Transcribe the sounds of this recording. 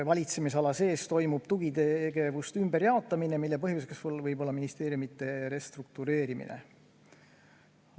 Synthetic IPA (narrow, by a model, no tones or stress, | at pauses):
vɑlʲit̪se̞mis̬ɑlɑse̞ːst̪o̞jmub̥t̪uɡ̥it̪eɡ̥e̞vust̪ymb̥e̞ɾjɑo̞t̪ːˑɑminemilːepɤɦjvuseksolvɤjbo̞lːɑminist̪e̞ːɾjumit̪ːˑe̞ɾe̞st̪ruk̚t̪uɾe̞ːɾimḭnḛ